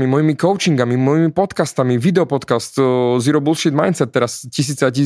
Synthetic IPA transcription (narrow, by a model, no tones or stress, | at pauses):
mimɔjimikɔʊt͡ʃiŋɡamimɔjimipɔt̪kast̪amiʋid̪ɛɔpɔt̪kast̪ziɾɔbulʃid̪majnt͡sɛt̪̚ːɛɾascis̬iːt͡saci